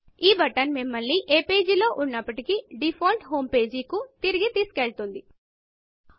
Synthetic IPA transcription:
iːbɐʈɐnmimːɐlːiʔeːpe̞ːd͡ʒilo̞ːʔunːɐpːɐʈikiɖipʰoːlʈɦo̞ːmpe̞ːd͡ʒikut̪iɾiɡit̪iːsu̥keɭt̪und̪i

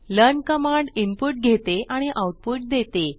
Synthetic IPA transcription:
ləɾnkəmaɳɖimpuʈ̚ɡʱet̪eʔaɽ̃iʔawʈ̚puʈ̚d̪et̪e

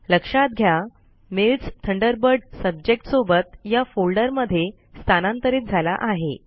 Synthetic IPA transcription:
ləkʂãt̪̚ɡʱja | melt͡st̪ʰəɳɖəɾbəɾɖsəb̚d͡ʑek̚ʈsobət̪jafolɖəɾməd̪ʱːje | st̪ʰanãnt̪əɾiːt̪̚d͡zʱala̰ʔaɦe

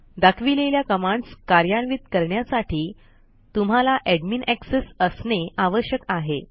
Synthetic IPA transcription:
d̪akʰʋileljakəmãɳɖskaɾjaɳʋit̪̚kəɾɳjasaʈʰiː | t̪um̤alaʔɛɽminæksesəsneʔaʋəɕjəkaɦe

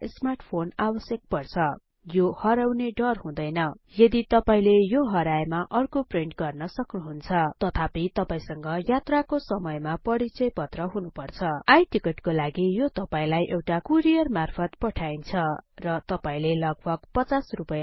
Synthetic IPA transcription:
smarʈʰpʰonabʌsjek̚pʌrt͡sʰʌ | johʌɾawneɖʌrɦũd̪ʌjnʌjʌd̪it̪ʌpaĩlejoɦʌɾajmaʔʌrkopreɳʈɡʌrnʌsʌknuɦunt͡sʰʌt̪ʌt̪ʰapit̪ʌpãĩsʌŋɡʌjat̪rakosʌmʌjmapʌɾit͡sʌjpʌt̪rʌɦunupʌrt͡sʰʌajʈikeʈkolaɡijot̪ʌpaĩlajʔewʈakuɾijʌrmarpʰʌt̪̚pʌʈʰaint͡sʰʌrʌt̪ʌpaĩlelʌɡ̚bʱʌɡ̥pʌt͡sasrupʌja

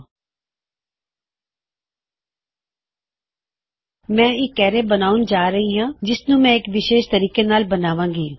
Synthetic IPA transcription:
mɛ̃ːɪkːɛːɾeːbənaːund͡ʒaːɾəɦiːɦãːd͡ʒɪsnũːmɛ̃ːɪkʋɪʃeːʃt̪əɾiːkenaːlbənaːʋãːŋɡiː

